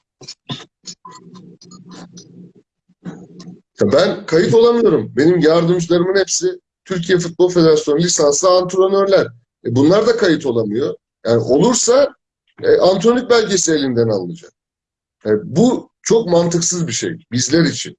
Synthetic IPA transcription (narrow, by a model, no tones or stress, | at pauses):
jabænkʰajit̪o̞lˠamɯjo̞ɾumbe̞nimjaɾd̪ɯmd͡ʒɯlˠaɾɯmɯnhepsi | t̪ʰyɾcʰijɛfut̪̚bo̞lˠfe̞d̪e̞ɾasjo̞nulʲisanslˠant̪ʰɾo̞nøɾlʲæɾ̥ | ɛbunlˠaɾd̪akʰajit̪ʰo̞lˠamɯjo̞ | jaːniʔo̞lˠuɾsa | ɛʔant̪ʰɾonʲic̚bælʲɟe̞sielʲind̪ænalˠːɯd͡ʒak̚ | abu | t͡ʃʰo̞kmant̪ʰɯksɯzbiʃḛjbizlʲæɾit͡ʃʰḭn